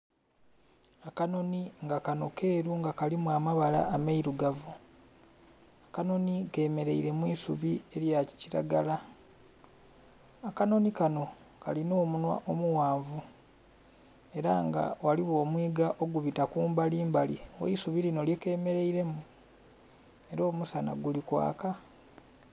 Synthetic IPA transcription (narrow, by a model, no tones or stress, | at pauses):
akano̞niŋɡakano̞ke̞ːɾuŋɡakalimwamaβala̰ːmaiɾuɡavu | akano̞nike̞ːme̞ɾe̞iɾe̞mwisuβie̞ɾjaci̥ciɾa̰ɡala | akano̞nikano̞ | kalino̞ːmunwa̰ʔo̞muwaːɱvu | e̞ɾaŋɡa̰waliwo̞ːmwiːɡaʔo̞ɡuβitakuːmbaliːmbalḭwo̰isuβilino̞ljeke̞ːme̞ɾe̞iɾe̞mu | e̞ɾo̞ːmusana̰ɡulikwa̰ːka